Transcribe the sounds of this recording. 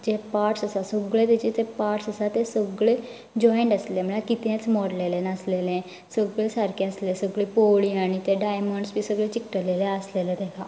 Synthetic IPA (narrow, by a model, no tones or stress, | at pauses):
d͡ʒeːpaːɾʈsəsasoɡɭet̪ed͡ʒet̪epaːʈsəsat̪esoɡɭe | d͡ʒɔːɪɳʈəslemelakɪt̪ẽt͡ʃmɔːɾleːlẽnasleːlẽː | soɡɭeːsəɾkeəslesoɡɭipoːɽiːaːñiːt̪eɖaːjməɳɖsbisəɡɭeːt͡ʃɪkʈəleːleəsleːled̪eːkaː